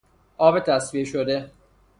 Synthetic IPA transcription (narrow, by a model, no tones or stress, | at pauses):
ʔɒːbet̪ʰæsvieʃod̪e